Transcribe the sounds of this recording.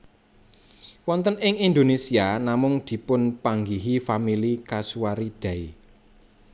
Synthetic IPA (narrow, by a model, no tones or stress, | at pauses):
wɔnt̪ənɪŋind̪onesianamʊŋd̪̥i̤pʊnpaŋɡiɦifamilikasuaɾid̪̥a̤i